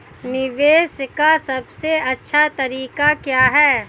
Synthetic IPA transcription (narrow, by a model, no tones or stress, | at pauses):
nɪʋeːʃkasɐbseɐtːʃʰat̪ɐɾiːkakjaːɦɛː